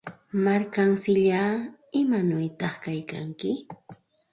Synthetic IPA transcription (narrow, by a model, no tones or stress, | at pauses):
maɾkaŋsɪʎaː | ɪmanʊjt̪ɑχkajka̰ŋkɪ